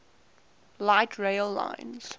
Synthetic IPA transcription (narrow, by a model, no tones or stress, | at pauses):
laɪtʰɹeɪlːã̰ɪ̃nz̥